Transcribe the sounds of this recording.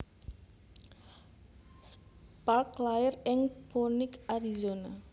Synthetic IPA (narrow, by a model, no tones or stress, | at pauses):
spaklaɪrɪŋponɪkaɾizona